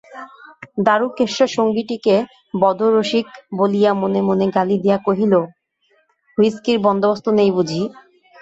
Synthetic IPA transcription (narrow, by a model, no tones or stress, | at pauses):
d̪aɾukeʃːoʃoŋɡiʈike | bɔd̪ʱoɾoʃikbolijamonemoneɡalid̪ejakoɦilo | ɦujskiɾbɔnd̪obost̪onejbud͡ʑʱi